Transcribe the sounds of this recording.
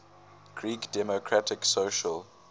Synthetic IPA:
ɡ̥ɹiːkd̥ɛmokʰɹatɪksoʃəl

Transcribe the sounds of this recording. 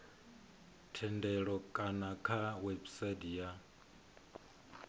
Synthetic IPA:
tʰɛndɛɺɔkʼanakʰawebisadija

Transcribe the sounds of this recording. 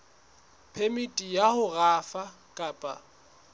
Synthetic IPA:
pʰemitʼijahʊɣaːfa | kʼaːpʼa

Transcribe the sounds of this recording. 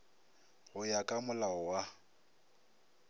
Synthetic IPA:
ɣʊjakʼamʊlaɔwa

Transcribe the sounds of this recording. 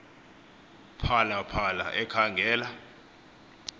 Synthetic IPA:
pʰalapʰala̰ʔɛkʰaŋɡʱɛːla

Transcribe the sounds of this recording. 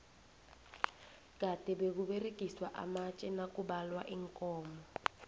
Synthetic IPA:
katʼɛbekuɓerekʼiswaʔa̰mat͡ʃʼɛnakʼubalwaʔiŋkʼɔːmɔ

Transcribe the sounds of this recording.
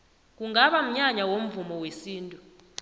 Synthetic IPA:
k̬uŋaɓam̩ɲaɲawom̩vumɔwesiːntʼu

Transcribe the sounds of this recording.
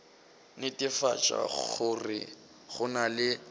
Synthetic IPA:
nɪtʼɪfat͡ʃʼa̰χʊrɪ̰ | χʊnalɪ

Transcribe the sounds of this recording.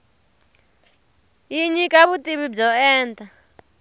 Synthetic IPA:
iɲikʼaβutʼiɓib͡ʐɔɛːntʼa

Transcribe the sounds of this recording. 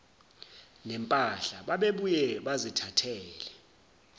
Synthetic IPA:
nɛmpʼaɬaɓaɓeɓujɛɓazitʰatʰɛːlɛ

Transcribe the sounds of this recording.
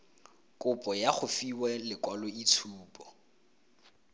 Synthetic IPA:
kʼʊpʼɔjaχʊfiwɛlɪkʼwalɔit͡sʰuːpʼɔ

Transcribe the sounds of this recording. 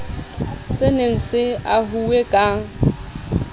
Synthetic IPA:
sɪnen̩sɪaɦuwekʼa

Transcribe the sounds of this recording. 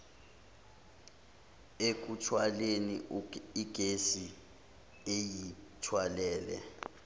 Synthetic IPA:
ek̬utʰwaleniiɡ̥ʱesi | ejitʰwalɛːlɛ̰

